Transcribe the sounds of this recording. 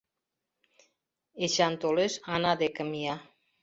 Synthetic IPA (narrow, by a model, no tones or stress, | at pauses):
eʃant̪olesanad̪ekəmia